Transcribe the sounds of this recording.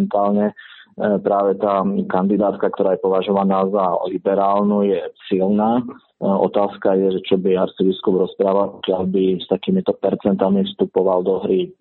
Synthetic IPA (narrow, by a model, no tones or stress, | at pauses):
nt̪aːlɲɛ | pɾaːʋɛt̪aːkand̪id̪aːt̪kak̚t̪ɔɾaːjɛpɔʋaʒɔʋanaːzalibɛɾaːlnujɛsilnaː | ɔ̰t̪aːskajɛʒɛt͡ʃɔbiaɾt͡sibiskubɾɔspɾaːʋalpɔ̥kɪalbist̪akiːmit̪ɔpɛɾt͡sɛnt̪amifst̪upɔʋald̪ɔɦɾi